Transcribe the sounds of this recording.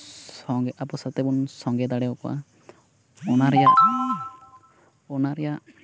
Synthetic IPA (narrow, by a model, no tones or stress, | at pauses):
sɔŋɡapɔsat̪ɛbunsɔŋɡɛd̪aɽɛɔkɔa̰ | ɔnaɾɛja | ɔnaɾɛja